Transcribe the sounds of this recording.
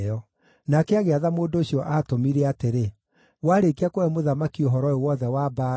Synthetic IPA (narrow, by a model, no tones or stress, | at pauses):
ɔ | nakɛaɣeaðamoːndoːɕjɔʔaːtomiɾɛateɾe | waːɾekiakoɛmoðamakioɦɔɾɔewɔðɛwaːbaː